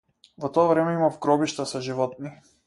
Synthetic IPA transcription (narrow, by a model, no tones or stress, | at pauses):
vɔt̪ɔavɾɛmɛimavɡɾɔbiʃt̪asaʒivɔt̪̚ni